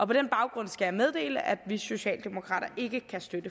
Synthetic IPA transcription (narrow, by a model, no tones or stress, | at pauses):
ʔɒ̽pʰɒ̽d̥enb̥ɑ̈ʊɡ̥ʁɔ̽n̰sɡ̥æjɑmeð̞ˠd̥e̝̰ːləʔæd̥ʋiso̝ɕɛ̰ːld̥e̝mo̝kʰʁɑ̰̈ːɾ̥ɐʔe̝ɡ̥əkʰæsd̥ød̥ə